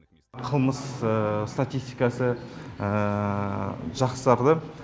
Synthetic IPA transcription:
qʰəlˠməsəst̪at̪ʲijst̪ijkɑsəə | ʒɑqsəsɑɾd̪ə

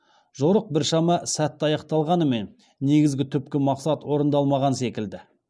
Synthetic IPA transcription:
ʒoɾəq̚bɪɾʃɑmɑsæt̪ːɑjɑqt̪ɑlˠʁɑnəme̞nː | e̞ɡʲɪzɡʲɪt̪ʰʏpkʲɪmɑqsɑt̪wo̞ɾənd̪ɑlˠmɑʁɑnse̞kʲɪld̪ɪ

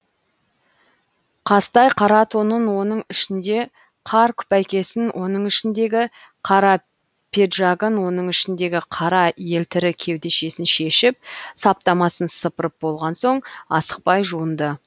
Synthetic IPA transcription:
qʰɑst̪ɑjqʰɑɾɑt̪ʰonənwo̞nəɴɪʃɪnd̪e̞ | qʰɑɾkʲʰʏ̥pæjkʲe̞sɪnwʔo̞nəɴɪʃɪnd̪e̞ɡʲɪ | qʰɑɾɑ | pʰʲe̞d̪ʒɑɡənwo̞nəɴɪʃɪnd̪e̞ɡʲɪqʰɑɾɑje̞lt̪ʰɪɾɪkʲʰe̞wd̪e̞ʃe̞sɪnʃe̞ʃɪp̚sɑp̚t̪ɑmɑsənsəpəɾəp̚bo̞lˠʁɑnso̞ɴɑ̰sə̥q̚pɑjʒuənd̪ə

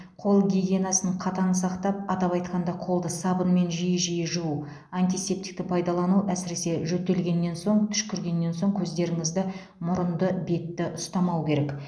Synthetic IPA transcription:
qʰo̞lˠɡʲiɡʲe̞nɑsənəɴqʰɑt̪ɑnəsɑqt̪ɑp̚ɑt̪ɑpɑjt̪qɑnd̪ɑqʰo̞lˠd̪əsɑbənme̞nʒijəʒijəʒuu | ant̪ʲijse̞p̚t̪i̥k̚t̪ɪpʰɑjd̪ɑlˠɑnuæsɪɾe̞se̞ʒɵt̪ːe̞lɡʲe̞nːe̞nso̞ɴt̪ʰʏ̥ʃkʲʰʏɾɡʲe̞nːe̞nso̞ŋkʲʰɵzd̪e̞ɾɪŋɪzd̪ɪ | mʊɾənd̪əbe̞t̪ːɪʔʊst̪ɑmɑwkʲʰe̞ɾe̞k

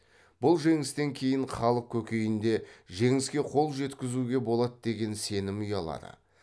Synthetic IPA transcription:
b̥ʊlˠʒe̞ŋɪst̪e̞ŋkʲʰe̞jɪɴχɑlˠəq̚kʲʰɵkʲe̞jɪnd̪e̞ʒe̞ŋɪskʲe̞qʰo̞lˠʒe̞t̪kʲɪzuɡʲe̞bo̞lˠɑt̪d̪e̞ɡʲe̞nse̞nɪmʊjɑlˠɑ̰d̪ə̰

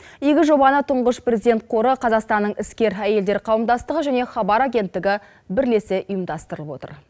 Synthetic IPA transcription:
eɡʲɪʒo̞bɑnət̪ʰʊɴʁəʃprʲe̞zid̪ʲent̪̚qʰo̞ɾəqʰɑzɑqst̪ɑnːəɴʔɪskʲe̞ɾæje̞ld̪e̞ɾqʰɑwəmd̪ɑst̪əʁəʒæneχɑbɑɾaɡʲe̞nt̪ːɪɡʲɪ | bɪɾle̞sɪʊjəmd̪ɑst̪əɾəlˠəpwo̞t̪ə̰ɾ

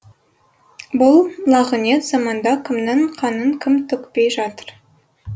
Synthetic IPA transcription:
bʊlˠlˠɑʁəne̞t̪z̥ɑmɑnd̪ɑkʲʰɪmnɪɴqʰɑnəɴkʲʰɪmt̪ʰʏkpe̞jʒɑt̪əɾ

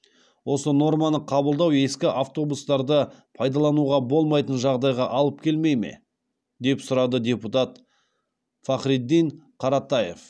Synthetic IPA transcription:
wʔo̞səno̞ɾmɑnəqʰɑbəlˠd̪ɑwe̞skʲɪʔaft̪o̞bust̪ɑɾd̪əpʰɑjd̪ɑlˠɑnuʁɑbo̞lˠmɑjt̪ənʒɑʁd̪ɑjʁɑʔɑlˠəp̚kʲʰe̞lme̞jme̞̰ | d̪e̞psʊɾɑd̪əd̪ʲe̞put̪ɑt̪ | fɑχɾid̪ːiɴqʰɑɾɑt̪ɑje̞̰f

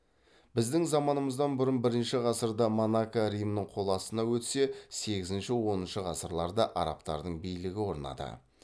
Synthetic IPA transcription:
bɪzd̪ɪŋzɑmɑnəməzd̪ɑnbʊɾənbɪɾɪnʃɪʁɑsəɾd̪ɑmonakːaɾijmnəɴqʰo̞lˠɑsənɑwɵt̪se̞se̞ɡʲɪzɪnʃɪwo̞nənʃəʁɑsəɾlˠɑɾd̪ɑʔɑɾɑ̰pt̪ɑ̰ɾd̪əɴbijlɪɡʲɪwo̞ɾnɑ̰d̪ə̰

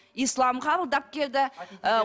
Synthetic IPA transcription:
islˠɑmqɑbəlˠd̪ɑp̚kʲʰe̞ld̪ɪ

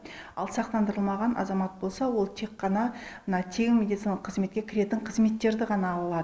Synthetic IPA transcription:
ɑ̰lˠsɑqt̪ɑnd̪əɾəlˠmɑʁɑnʔɑ̰zɑmɑt̪̚bo̞lˠsɑwo̞lˠt̪ʰe̞kqːɑnɑmənɑt̪ʰeŋɪnmʲe̞d̪it̪sinɑlˠəqʰːəzme̞t̪kʲe̞kʲʰɪɾe̞t̪ɪɴqʰəzme̞t̪ːe̞ɾd̪ɪʁɑnɑːlˠlˠɑd̪ə

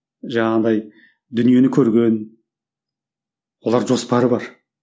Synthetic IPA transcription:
ʒɑɴɑd̪ɑj | d̪ʏnije̞nɪkʲʰɵɾɡʲe̞n | wo̞lˠɑɾʒo̞spɑɾəbɑɾ

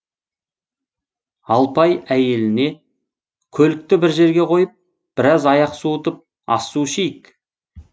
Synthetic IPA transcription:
ɑlˠpɑjæje̞lɪne̞ | kʲʰɵlɪk̚t̪ɪbɪɾʒe̞ɾɡʲe̞qʰo̞jəp̚ | b̥ɪɾɑzɑjɑqsut̪əp̚ | ɑ̰suʃejɪk

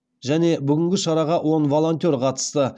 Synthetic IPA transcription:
ʒæne̞bʏɡʲɪŋɡʲɪʃɑɾɑʁɑwʔo̞nvo̞lˠo̞nt̪ʲe̞ɾqʰɑt̪ə̥st̪ə

